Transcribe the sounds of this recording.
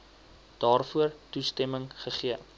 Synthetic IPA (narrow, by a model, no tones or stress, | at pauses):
d̥ɑːrfuərtustɛməŋχəχiə